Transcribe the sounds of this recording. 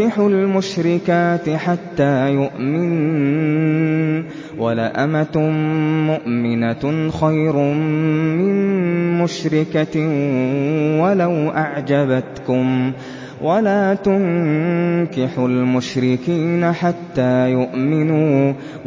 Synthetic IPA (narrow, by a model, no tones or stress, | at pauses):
ɪħʊlmʊʃɾɪkaːt̪ɪħat̪ːaːjʊʔmɪn | walaʔamat̪mʊʔmɪnaxajɾ | mɪnmʊʃɾɪka | walawʔaʕd͡ʒabat̪kʊm | wʔalaːt̪ʊŋ | kɪħʊlmʊʃɾɪkiːnaħat̪ːaːjʊʔmɪnuː